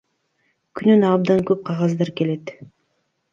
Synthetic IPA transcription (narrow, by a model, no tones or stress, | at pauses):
kʰynynɑbd̪ɑŋkøp̚qʰɑʁɑzd̪ɑɾke̞le̞t̪